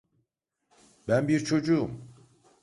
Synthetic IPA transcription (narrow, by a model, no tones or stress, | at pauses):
bænbiɾt͡ʃʰo̞d͡ʒum